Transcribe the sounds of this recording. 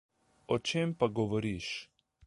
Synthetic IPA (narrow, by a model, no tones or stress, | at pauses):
ɔt͡ʃeːmpaɡɔʋɔɾiʃ